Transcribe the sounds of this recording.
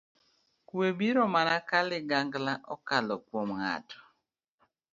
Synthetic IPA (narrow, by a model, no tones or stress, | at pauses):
kwebiɾɔmanakalɪɡaŋɡlaʔɔkalɔkwomŋa̰tɔ̥